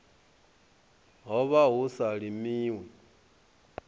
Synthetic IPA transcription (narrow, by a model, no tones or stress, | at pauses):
ɦɔβaɦusaɺimiːwɛ